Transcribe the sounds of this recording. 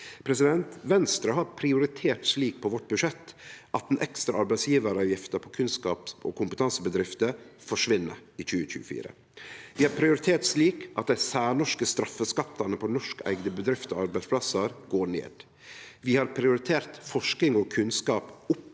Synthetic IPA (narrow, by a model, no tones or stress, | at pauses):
pʰɾɛsɪd̪ɛnt̪ʋɛnst̪ɾɑhɑɾpʰɾɪʊɾɪt̪ʰeːʈsliːk̚pʰɔʋɔʈːbʉʂɛt̪ːʔɑt̪̚d̪ɛnʔɛkst̪ɾɑɑɾbæɪtsjiːʋəɾəɑjɪft̪əpʰɔkʰʉnskɑ̰ːpɔ̰ːkʰʊmpət̪ʰɑnsəbəd̪ɾɪft̪əfɔʂʋɪnːə̰ɾic͡çʉːəc͡çʉ̰ːəfḭːɾə̰ | ʋɪːhɑɾpʰɾɪʊɾɪt̪ʰeːʈsliːkʔɑ̰t̪̚d̪æɪsæːɳɔʂkəst̪ɾɑfəskɑt̪ːɑnəpʰɔnɔʂkæ̰ɪɡnəbəd̪ɾɪft̪ɔ̰ɑɾbæɪspʰlɑsəɾɡoːɳḛːd̪̥ | ʋɪhɑɾpʰɾɪʊɾɪt̪ʰeːɾt̪fɔʂk̪ɪŋɔːkʰʉnskɑːpʊp